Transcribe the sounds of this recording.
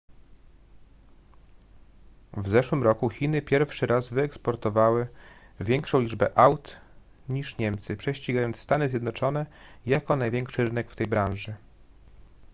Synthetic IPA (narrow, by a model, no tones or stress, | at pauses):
vzɛʂwɘmɾɔkuxʲinɘpʲjɛɾfʂɘɾazvɘɛkspɔɾt̪ɔvawɘ | vʲjɛŋkʂɔ̃w̃lʲid͡ʐbɛʔawt̪ | ɲiʂɲɛmt̪sɘpʂɛɕt͡ɕiɡajɔnt̪st̪anɘzʲjɛd̪nɔt͡ʂɔnɛjakɔnajvʲjɛŋkʂɘɾɘnɛkft̪ɛjbɾãnʐɘ